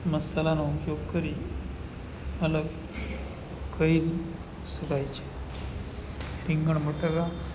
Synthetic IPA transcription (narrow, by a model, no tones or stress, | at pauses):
məsəlanupjoɡkəɾi | mələɡ | kəiɾ | səɡajt͡ɕe̥ | ɾiŋɡəɳm̤əʈəɡa